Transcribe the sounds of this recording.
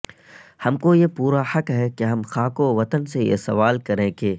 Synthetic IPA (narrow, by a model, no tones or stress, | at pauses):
hɐmkojepuːɾahɐkɦɛkeɦɐmxaːkoʋɐt̪ənsejḛsɐʋaːlkɐɾẽːkeː